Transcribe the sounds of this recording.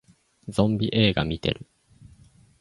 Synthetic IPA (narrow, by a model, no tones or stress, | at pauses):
zõ̞mbʲiʔeːɡamʲit̪e̞̰ɾɯ̟